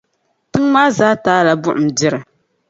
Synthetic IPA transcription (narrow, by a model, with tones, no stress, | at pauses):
tɨ˦ŋmaː˦zaː˦taː˦la˨bʊ˦ʔʊ˨m̩˨dɪ˦ɾɨ˨